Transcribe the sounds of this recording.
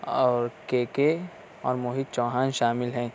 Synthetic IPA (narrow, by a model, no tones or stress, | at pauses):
ɔːɾkeːke | ɔ̰ːɾmoːɦit̪̚t͡ʃɔːɦaːnʃaːmɪlɦɛ̃ː